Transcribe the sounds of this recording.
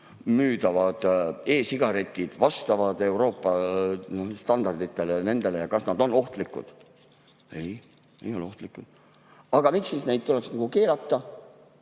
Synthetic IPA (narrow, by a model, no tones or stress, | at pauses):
myːd̪̥ɑvɑd̪̥e̞ːsiɡ̥ɑɾe̞t̪ʲːˑid̪̥vɑst̪ɑvɑd̪e̞wɾo̞ːpːˑɑ | st̪ɑnd̪ɑrd̪̥it̪ːˑe̞lene̞nd̪̥e̞le̞jɑkɑsnɑd̪̥o̞no̞ht̪likːṵd̪̥ | ej | ḛjo̞leo̞ht̪likːˑud̪̥ | ɑɡ̥ɑmiksːisne̞jd̪̚t̪uleksnɑɡ̥uke̞ːlɑt̪ˑːɑ